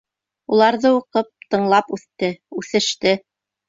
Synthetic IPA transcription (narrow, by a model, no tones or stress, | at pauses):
ulˠɑɾðɤuqɤp̚t̪ɤ̆ɴlˠɑpʉθt̪ɘʉθɘ̆ʃt̪ɘ